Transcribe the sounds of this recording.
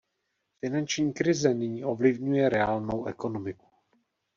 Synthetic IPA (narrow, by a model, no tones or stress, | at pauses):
fɪnant͡ʃɲiːkɾɪzɛnɪɲiːʔo̞vlɪvɲujɛɾɛaːlno̞wɛko̞no̞mɪku̥